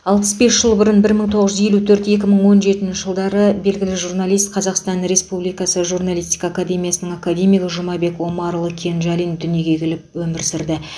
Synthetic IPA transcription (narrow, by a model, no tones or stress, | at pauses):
ɑlˠpəsbe̞sʒ̥əlˠbʊɾənbɪɾməɴt̪ʰo̞ʁəzʒʏzje̞lut̪ʰɵɾt̪e̞kʲɪməɴwo̞nʒe̞t̪ɪnʃɪʒ̥əlˠd̪ɑɾəbe̞lɡʲɪlɪʒurnalˠijst̪̚qʰɑzɑqst̪ɑnɾe̞spublijkɑsəʒuɾnalʲˠijst̪ʲi̥kaːkad̪ʲe̞mijasənəɴakad̪ʲe̞mijɡʲɪʒʊmɑbe̞kwo̞mɑɾlˠəkʲʰe̞nʒɑlʲijnd̪ʏnjeɡʲe̞kʲʰelɪpwɵmɪɾsɪɾd̪ɪ